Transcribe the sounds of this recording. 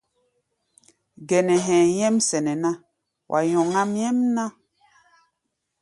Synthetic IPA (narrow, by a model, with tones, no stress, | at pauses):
ɡɛ˨nɛ˨ɦɛ̃˨jɛ˦msɛ˨nɛ˨na˦ | wʔa̰˨jɔ˨ŋa˦mjɛ˦mna˦